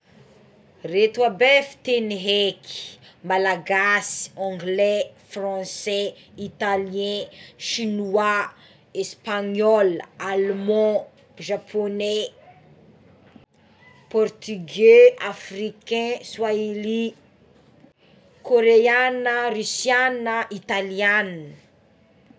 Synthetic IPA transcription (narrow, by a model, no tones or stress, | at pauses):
ret̪wabefi̥t̪eniɦeki̥malaɡasi̥ɔ̃ɡlɛfrɑ̃sɛ | it̪alijɛ̃ʃinuwa | espaɲɔlalmɑ̃ | ʒapʰonɛ | pɔrt̪yɡeafrikɛ̃swaeli | koɾeanərysjanəʔit̪alianə